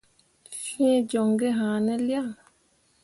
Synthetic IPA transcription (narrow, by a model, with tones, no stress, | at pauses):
fĩ˦ɛ̃˦d͡ʒɔ˨ŋɡe˦ɦã˨nɛ̃˦lja˦˨